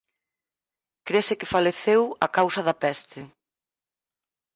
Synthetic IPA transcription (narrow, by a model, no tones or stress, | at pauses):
kɾesɪkɪfaleθewɐkawsɐðɐpɛst̪ɪ